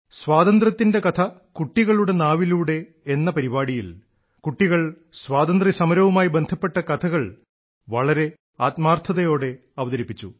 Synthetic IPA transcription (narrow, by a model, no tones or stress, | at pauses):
swaːðɐnd̪rɐt̪ːinde̞kɐt̪ʰɐkuʈːiɣɐɭuɽe̞naːʋiluːɽe̞ː | nːɐpɐɾibaːɽijil | kuʈːiɣɐɭ | swaːd̪ɐnd̪risɐmɐɾɐʋumaːjibe̞nd̪ʱɐpːe̞ʈːɐkɐt̪ʰɐɣɐɭ | ʋɐɭɐɾe̞ | aːt̪maːrt̪ʰɐðɐjo̞ːɽe̞ | ɐʋɐðɐɾipːit͡ɕːṵ